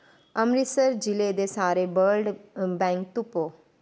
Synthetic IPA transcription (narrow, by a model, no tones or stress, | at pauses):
əmɾisəɾd͡ʒiled̪esaːɾebəɾɖbɛ̃ŋk̚t̪upo